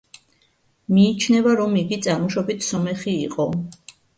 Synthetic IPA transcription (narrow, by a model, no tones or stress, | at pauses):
miːt͡ʃʰnɛvaɾɔmiɡit̪sʼaɾmɔʃɔbit̪ʰsɔmɛχiːqʼɔ